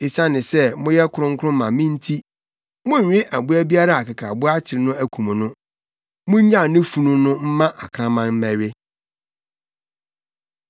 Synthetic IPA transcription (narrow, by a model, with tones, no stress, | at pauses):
e˨sã˦nɪ̃˨sɛ˦mʊ̃˦jɛ˦kʰʊ˦ɾʊ̃˦ŋ˦kʰʊ˦ʊ̃˦mã˨mɪ̃˦n˦tʰi˦ | mʊ̃˦ɲ̩˨ɲᶣɪ̃˦ʔæ˨bu˦æ˦bi˦a˦ɾa˦˨a˨ka˨kʰa˨bʊ˦a˦t͡ɕʰɪ˨ɾɪ˨˦nʊ̃˦æ˦kʰũ˨m̃˨nʊ̃˦ | mʊ̃˦ɲ˦ɲã˦˨nɪ̃˦fu˨nũ˦nʊ̃˦m̩˦mã˦ʔa˨kʰɾã˦mã˦m̩˦mæ̃˨ɥe˦